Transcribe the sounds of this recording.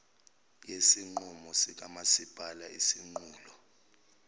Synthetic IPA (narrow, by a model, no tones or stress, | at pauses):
jesiŋ͡ǃumɔsik̬ʼamasib̥ʱalaisiŋ͡ǃuːlɔ